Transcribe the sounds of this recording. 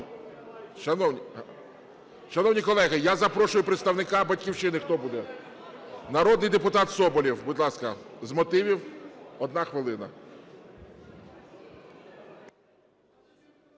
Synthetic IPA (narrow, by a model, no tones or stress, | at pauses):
ʃɐnɔwnʲ | ʃɐnɔwnʲijkɔlˠɛɣɪjazɐpɾɔʃʊjʊpɾet̪st̪ɐwnɪkɑbɐtʲkʲiwʃɪnɪxt̪ɔbud̪ɛ | nɐɾɔd̪nɪjd̪epʊt̪ɑt̪sɔbɔlʲiwbʊd̪lˠɑskɐzmɔt̪ɪʋʲiwɔd̪nɑxʋɪlˠɪnɐ̰